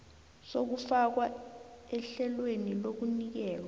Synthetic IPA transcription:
sok̬ufak̬waɛɬɛlwenilok̬unik̬ɛːk̬wa

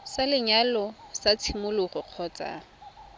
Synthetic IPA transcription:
salɪɲalɔsat͡sʰimʊlʊχʊq͡χʰɔt͡sʼa̰ŋ̩

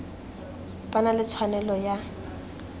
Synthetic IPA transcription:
pʼanalɪt͡sʰwanɛlɔja

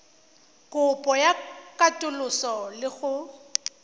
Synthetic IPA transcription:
kʼʊpʼɔjakʼatʼʊlʊsɔlɪɣʊ

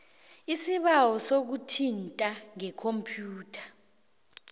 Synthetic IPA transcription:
isiɓawɔsok̬utʰintʼaŋɛkʰompʰʼjuːtʰḁ

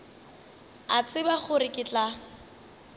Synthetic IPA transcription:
at͡sʼɪbaχʊrɪkʼɪt͡ɬʼa

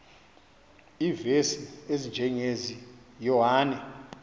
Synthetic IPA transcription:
iːvesiezind͡ʒʱɛŋezijɔwaːnɛ

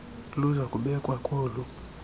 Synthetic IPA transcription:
luzakuɓɛkwakʰɔlu

